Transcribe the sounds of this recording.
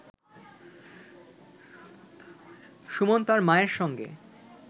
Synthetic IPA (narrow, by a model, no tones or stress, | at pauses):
ʃumont̪aɾmaeɾʃɔŋɡḛ